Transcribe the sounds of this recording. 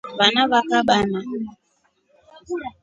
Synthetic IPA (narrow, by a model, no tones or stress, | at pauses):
βanaβakaɓana